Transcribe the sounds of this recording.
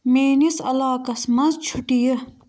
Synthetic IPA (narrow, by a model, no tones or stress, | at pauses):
meːnisɐ̰laːkɐsmɐnzt͡ʃʰuʈijɐ